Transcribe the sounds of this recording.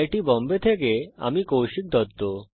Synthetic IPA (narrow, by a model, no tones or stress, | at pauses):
jʈibɔmbet̪ʰekea̰mikowʃik̚d̪ʱɔt̪ːo